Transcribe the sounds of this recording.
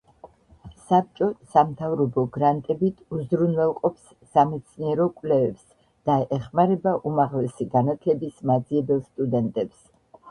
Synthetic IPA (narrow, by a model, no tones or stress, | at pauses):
sap̚t͡ʃʼɔsamt̪ʰavɾɔbɔɡɾant̪ʼɛbit̪ʰuzɾunvɛlˠqʼɔpsːamɛt̪sʰniɛɾɔkʼwlɛvɛps | d̪̥aɛχmaɾɛbaʔumaʁlɛsiɡanat̪ʰlɛbismad̪ziɛbɛlˠst̪ʼud̪ɛnt̪ʼɛps